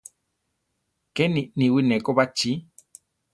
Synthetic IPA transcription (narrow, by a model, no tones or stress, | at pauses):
kɛnĩnĩwinɛ̃koβat͡ʃi